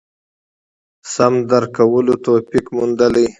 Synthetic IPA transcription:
samd̪aɾkawəlot̪opikmund̪ələj

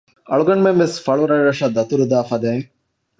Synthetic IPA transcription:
ɐɭuɡɐɳumemʋesfɐɭuɾɐːɐʂɐd̪ɐt̪uɾud̪aːfɐd̪eːŋ

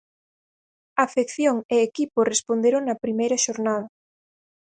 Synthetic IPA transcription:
afekθjoŋeːkiporespond̪eɾoŋnɐpɾimejɾɐʃoɾnað̞ɐ

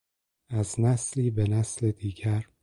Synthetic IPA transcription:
æznæsliːbenæsled̪iːɟæɾ

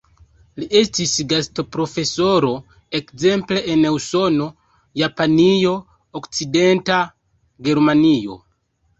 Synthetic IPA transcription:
liʔestisɡasto̞pɾo̞fe̞so̞ɾo̞ | ekze̞mple̞ʔene̞wso̞no̞ | japanijo̞ | okt͡side̞nta | ɡe̞ɾmanio̞̰

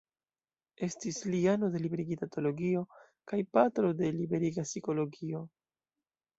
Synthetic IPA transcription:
e̞stisliano̞de̞libeɾiɡitato̞lo̞ɡio̞ | kajpatɾo̞de̞libe̞ɾiɡasiko̞lo̞ɡio̞

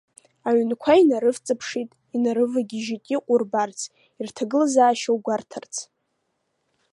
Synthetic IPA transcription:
aɥnkʷʰainaɾɨft͡sʼɨpʰʂitʼ | inaɾɨvaɡʲɪʒitʼiqʷʼʊrbart͡sʰ | irtʰaɡɨlzaːʃawɡʷartʰart͡sʰ

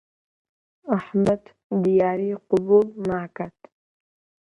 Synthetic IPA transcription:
aħmat̪ | d̪ijaːɾiqʊbulnaːkat̪

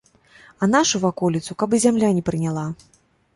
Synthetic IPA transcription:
ɐnaʂuvakɔlʲit̪sukabɨzʲamlʲanʲɛpɾɨnʲalˠa

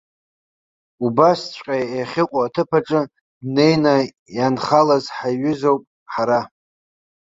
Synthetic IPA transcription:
ubast͡ɕʷʼqʲʼajeχʲɪqʷʼaːtʰɨpʰaʈ͡ʂʼɨ | ne̞jna | janχalazħaɥʏzowpʼ | ħaɾa

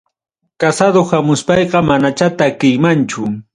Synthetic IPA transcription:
kasad̪ohamʊspɑjqɑmanat͡ʃat̪akɪjmant͡ʃʊ

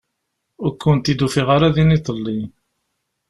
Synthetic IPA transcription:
ʊɾkːʊnt̪id̪ufiʁaɾaðinit̪ˤəlːi

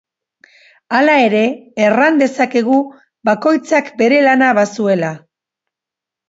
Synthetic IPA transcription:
alae̞ɾe̞ːrand̪e̞sake̞ɣ̞u | bako̞jt͡sakbe̞ɾe̞lanaβasue̞la

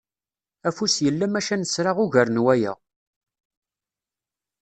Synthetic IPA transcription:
æfusjəlːæmæʃænəsɾaʁʊʝəɾnwæjæ̰

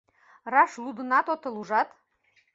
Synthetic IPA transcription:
rɑʃlˠud̪ɤ̆nɑt̪ot̪ɤ̆lˠuʒɑt̪

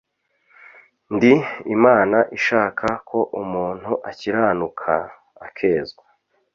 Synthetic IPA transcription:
ndiimaːnaʔiʃaːkʰakʰo̞ʔumuːn̥huʔaciɾaːnukʰaː | kʰe̞ːzɡa

